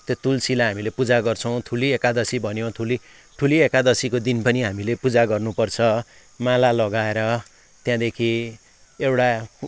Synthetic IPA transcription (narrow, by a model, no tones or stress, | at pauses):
t̪jot̪ulsilaɦamilepud͡zaɡʌrt͡sʰʌ̃w̃t̪ʰuliekad̪ʌsibʱʌnjõt̪ʰuli | ʈʰuliekad̪ʌsikod̪inpʌniɦamilepud͡zaɡʌrnupʌrt͡sʰʌ | mãlalʌɡaeɾʌ | t̪jãd̪ekʰi | ewʈa